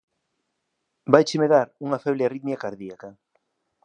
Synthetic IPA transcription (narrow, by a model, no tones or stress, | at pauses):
bajt͡ʃemeðaɾuŋɐfɛβlearit̪mjakaɾðiakɐ